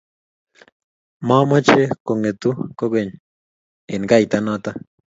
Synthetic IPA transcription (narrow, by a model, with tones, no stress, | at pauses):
ma˦ma˦t͡ʃe˦ko˨ŋe˨t̪u˦ko˦ke˨n | e˨nɡa˦jt̪a˦na˦t̪a˦